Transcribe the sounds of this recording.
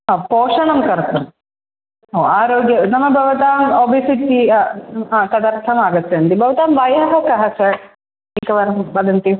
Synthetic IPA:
poːʂɐɳɐmkɐɾt̪um | oːaːɾoːɡjɐnɐmɐbʱɐʋɐt̪aːmobʱisit̪i | t̪ɐd̪ɐɾt̪ʰɐmaːɡɐt̪ːeɐnt̪ibʱɐʋɐt̪aːmʋɐjɐɦɐkɐɦɐsɐ | ikɐʋɐɾbɐd̪ɐnt̪i

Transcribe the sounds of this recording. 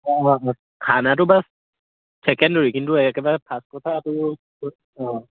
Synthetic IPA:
ʔɔʔː | kʰaːnat̪̬ubas | sʰɛkɛndoikinduəjkakabapʰaspot̪ʰaːt̪u | ʔɔː

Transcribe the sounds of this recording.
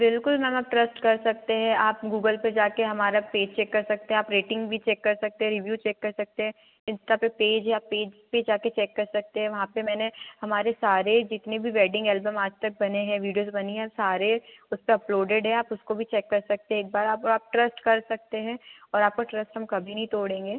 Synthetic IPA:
bɪlkʊlmɛ̃maːp̚ʈɾɐsʈkɐɾsɐk̚t̪eɦɛ̃aːpɡuːɡəlped͡ʒaːkeɦɐmaːɾapeːd͡ʒt͡ʃɛːkːɐɾsɐk̚t̪eɦɛ̃aːpɾeːʈɪ̃ŋɡbʱit͡ʃɛːkːɐɾsɐk̚t̪ẽɦɛ̃ɾɪʋjuːt͡ʃɛːkːɐɾsɐk̚t̪eɦɛ̃ | ɪ̃nsʈapepeːd͡ʒɦɛ̃aːpːeːd͡ʒped͡ʒaːket͡ʃɛːkːɐɾsɐk̚t̪eɦɛ̃ʋɐɦãpemɛːnehɐmaːɾesaːɾed͡ʒɪt̪nebʱiʋɛːɖɪ̃ŋɡɛːlbə̃maːd͡ʒt̪ɐk̚bɐneɦɛ̃ʋiːɖijoːzbɐniɦɛ̃saːɾeʊspeɐploːɖeɖɦɛ̃aːpʊskobʱit͡ʃɛːkːɐɾsɐk̚t̪eɦɛeːk̚baːɾaːpaːp̚ʈɾɐsʈkɐɾsɐk̚t̪eɦɛ̃ɔːɾaːp̚koʈɾɐsʈɦɐmkɐbʱinɐɦĩt̪oːɽẽːŋɡeː

